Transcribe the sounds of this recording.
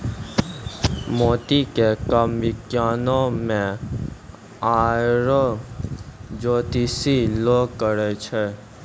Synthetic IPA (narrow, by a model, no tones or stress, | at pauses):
mot̪ikekəmʋɪkjanomẽ | aɾo | d͡ʒot̪isilokːəɾet͡ʃʰe